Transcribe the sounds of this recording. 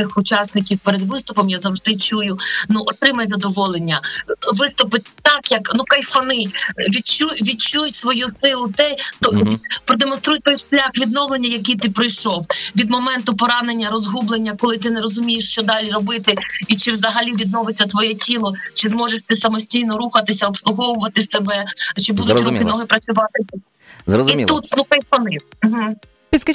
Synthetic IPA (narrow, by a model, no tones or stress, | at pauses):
ɪxʊt͡ʃɑsnɪkʲiwpeɾed̪ʋɪst̪ʊpɔmjazɐwʐd̪ɪt͡ʃujʊnuʔɔt̪ɾɪmɐjzɐd̪ɔʋɔlˠenʲːɐʋɪst̪ʊpɪt̚ʲt̪ɑkjɐknukajfɐnɪʋʲit͡ʃuʋʲid̪t͡ʃujsʋɔjusɪlˠʊt̪ɛt̪ɔipɾɔd̪emɔnst̪ɾujʲt̪ɔjʃlʲaxʋʲid̪nɔwlˠenʲːɐjɐk̬ijt̪ɪpɾɪjʃɔwʋʲid̪mɔmɛnt̪ʊpɔɾɑnenʲːɐɾɔzɦublˠenʲːɐkɔlˠɪt̪ɪneɾɔzʊmʲijeʃt͡ʃɔd̪ɑlʲiɾɔbɪt̪ɪit͡ʃɪʋzɐɦɐlʲiʋʲid̪nɔʋɪt͡sʲːɐt̪ʋɔjɛtʲilˠɔt͡ʃɪzmɔʒeʃt̪ɪsɐmɔsʲtʲijnɔɾuxɐt̪ɪsʲɐɔpslˠʊɦɔʋʊʋɐt̪ɪsebɛt͡ʃɪbud̪ʊukinnɔɦɪpɾɐt͡sʲʊʋɑt̪ɪ | zɾɔziiut̪̚nuk̪ɛjpɐnim̩ɦ̩ | pʲis